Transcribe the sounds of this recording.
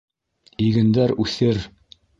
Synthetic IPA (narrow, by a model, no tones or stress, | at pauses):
iɡɘ̆nd̪æɾʉθɘɾ